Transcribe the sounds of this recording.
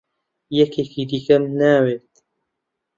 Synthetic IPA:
jɛkeːkid̪ikɐmnaːweːt̪̚

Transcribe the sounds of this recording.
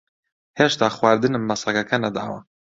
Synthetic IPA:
heːʃt̪aːxwaːɾd̪ɨnɨmːɐsˤɐkɐkʰɐnɐd̪a̰ːwɐ̰

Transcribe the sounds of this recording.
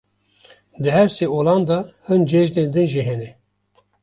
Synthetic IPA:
d̪ɨɦɛɾseolɑnd̪ɑhɨnd͡ʒɛʒd̪end̪ɨnʒiɦɛnɛ

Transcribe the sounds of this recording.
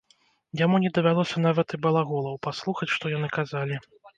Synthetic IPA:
jamunʲɛd̪ɐvʲalˠɔsʲɐnavɐt̪ɨbɐlˠaɣɔlˠɐwpaslˠuxɐt͡sʲʂt̪ɔjanɨkazalʲi

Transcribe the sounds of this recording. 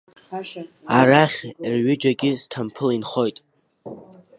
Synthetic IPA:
aɾaχʲrɥɪd͡ʒaɡʲɪztʰampʰɨlinχo̞jtʼ

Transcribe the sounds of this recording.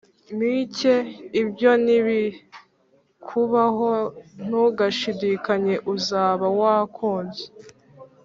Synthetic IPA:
miceibjo̞niβi | kʰuβaɦon̥uɡaʃidiːkaɲe̞ʔuzaːβawakʰoːnze

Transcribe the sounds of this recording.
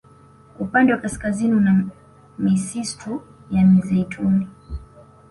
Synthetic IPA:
upandɛwakaskaziniuna | misistʰujamizɛitʰuni

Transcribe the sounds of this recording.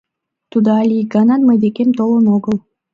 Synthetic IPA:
t̪ud̪alʲiɡananməjd̪ekemt̪olˠonoɡɯlˠ

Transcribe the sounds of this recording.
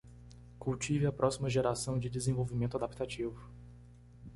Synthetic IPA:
kuwt͡ʃivɪɐpɾʔɔsimɐʒeɾasɐ̃w̃d͡ʒɪd̪ɪzẽvowvimẽnt̪ʊad̪ap̚t̪at͡ʃivʊ

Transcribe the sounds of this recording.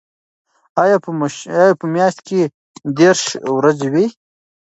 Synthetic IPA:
ajɑjapəmjɑːʃt̪ke | d̪eɾʃwɾazewi

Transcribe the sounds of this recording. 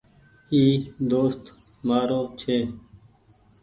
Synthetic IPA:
iːd̪oːst̪ | maːɾoːt͡ʃʰeː

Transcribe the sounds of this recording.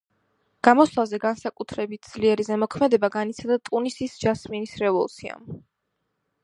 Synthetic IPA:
ɡ̥amɔslˠazɛɡansakʼut̪ʰɾɛbit̪̚ʰd̪z̥liɛɾizɛmɔkʰmɛd̪ɛbaɡanit̪sʰad̪at̪ʼunisisd͡ʒasminisɾɛvɔlˠt̪sʰia̰m

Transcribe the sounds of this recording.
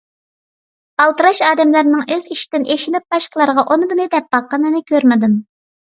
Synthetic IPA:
ɑlˠt̪ɨɾɑʃɑːd̪ɛmlɨɾnɨŋøz̥iʃi̥d̪̥ɪnʔeʃinɪp̚b̥ɑʃqəlˠɑɾəʁɑʔonb̪ɨnɨd̪ɛp̚b̥ɑqːɑnɨnɨkʲøɾmɪd̪ɪm

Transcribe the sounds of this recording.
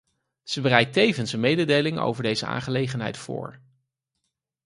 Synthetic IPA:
z̥əbərɛjtejvənsənmejdədejlɪŋo̰wvəɹdejzəa̰ːŋχəlejχənɦɛ̰jtfʊ̰ːɹ

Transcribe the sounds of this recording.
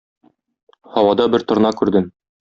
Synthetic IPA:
hɒwɑd̪ɑbɘɾt̪ŏɾnɑkʉɾd̪ɘm

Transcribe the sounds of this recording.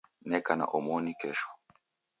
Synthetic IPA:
nɛkana̰ʔɔmɔnikɛʃɔ̥

